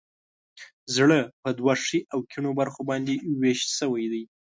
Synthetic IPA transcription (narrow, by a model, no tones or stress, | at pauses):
zɽəpəd̪waʂiʔawkʰiɳobaɾxobɑnd̪eweʃt̪səwajd̪aj